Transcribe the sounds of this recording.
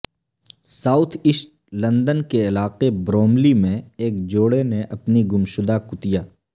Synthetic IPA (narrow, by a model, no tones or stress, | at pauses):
saːʊt̪ʰɪʃʈ | lɐ̃nd̪ənkeɪlaːqebɾoːmlimẽeːk̚d͡ʒoːɽeneʔɐpniɡʊmʃʊd̪akʊt̪ijaː